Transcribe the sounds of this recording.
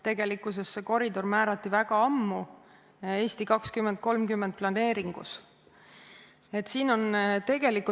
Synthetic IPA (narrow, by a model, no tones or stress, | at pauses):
t̪e̞ɡ̥e̞likːˑuse̞sːeko̞ɾid̪o̞rmæːɾɑt̪ːˑivæɡ̥ɑɑmːu | e̞ːsʲt̪ikɑkskymːend̪̥̚ko̞lmkymːend̪̚plɑne̞ːɾiŋɡ̥ṵs | e̞t̪siːno̞nt̪e̞ɡe̞likˑu